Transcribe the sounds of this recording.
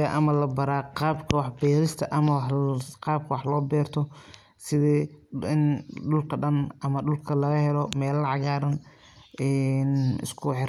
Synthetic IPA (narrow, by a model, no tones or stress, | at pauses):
ɐʔɐmɐlɐbɐɾaːqɑːbkʰɐwɑħbɛːɾɪst̪ʰɐʔɐmɐwqɑːb̚kʰɐwɑħlɔːbɛːrt̪ʰɔ | sɪðɛːɪnɖʊlkʰɐɖɐnʔɐmɐɖʊlkʰɐlɐɣɐhɛlɔmɛːlʕɑɣaːɾɐn | ɛːnɪ̰skʰʊħɪɾ